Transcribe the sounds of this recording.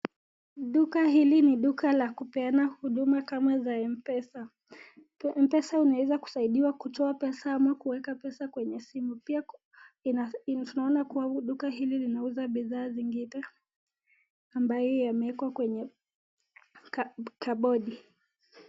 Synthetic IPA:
ɗukaɦiliniɗukalakupɛanahuɗumakamazaɛmpɛsa | mpɛsaunawɛzaku̥saiɗiwakutʰɔapɛsaamakuwɛkapɛsakwɛɲɛsimupia | natunaɔnakuwaɗukaɦililinauzaɓiðaːziŋɡinɛ | ambajɔjamɛɛkwakwɛɲɛ | kaɓɔɗi

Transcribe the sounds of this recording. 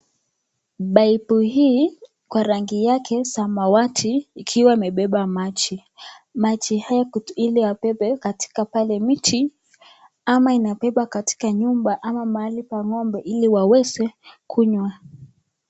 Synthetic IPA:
ɓaipuhiː | kwaɾaŋɡijakʰɛsamawatʰiːkʰiwaimɛɓɛɓamat͡ʃi | mat͡ʃihajailiwapɛɓɛkati̥kapalɛmitʰi | amainapɛɓakati̥kaɲumbaʔamamaalipaŋɔmbɛʔiliwawɛzɛkʰuɲwa

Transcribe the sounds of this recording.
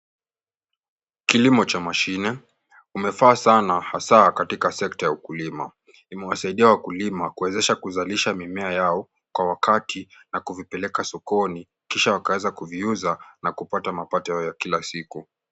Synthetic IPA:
kilimɔt͡ʃamaʃinɛ | kumɛfaːsanahasakatikasɛk̚tajaukulima̰ | imɛwasaiɗiawakulimakuwɛzɛʃakuzaliʃamimɛajaɔ | kwawakatʰinakuvipɛlɛkasɔkɔni | kiʃawakawɛzakuviuzanakupatamapatɔjaɔjakilasiku

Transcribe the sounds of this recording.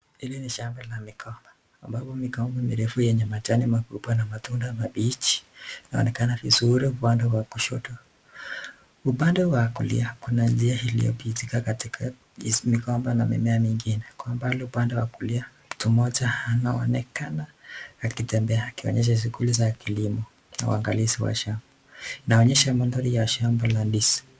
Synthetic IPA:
hiliniʃambalamikʰɔmbaː | mbapɔmikɔmbɔmiɾɛfujɛɲɛmat͡ʃanimakuɓwanamatundamaɓit͡ʃi̥naɔ̰nɛkanavizuɾiupandɔwakuʃɔtɔ | upandɛwakṵlḭakunand͡ʒiahilḭɔ̰pitikakatikʰa | izmikɔmbanamɛ̰mɛamiŋɡinɛkwambaliupandɔwakulia | tumɔd͡ʒahanaɔ̰nɛkanaakitɛmbɛaːkiɔ̰ɲɛʃ̬aʃ̬uɡulizakilimɔ | na̰w̰a̰ŋɡalisiwa̰ʃambainaɔɲɛʃamandɔɾijaʃambalandisi̥

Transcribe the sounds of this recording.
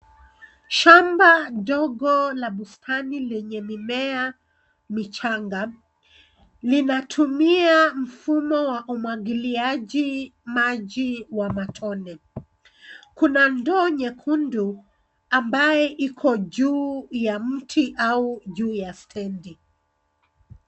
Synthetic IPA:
ʃambadɔɡɔlaɓustʰanilɛɲɛmimɛa | mit͡ʃaŋɡa | linatʰumiam̩fumɔwaʔumwaɡiliaʄimaʄiwamatʰɔnɛ | kunandɔːɲɛkʰundu | ambajɛʔikʰɔʄuːjam̩tʰiʔauʄuːjastʰɛndi

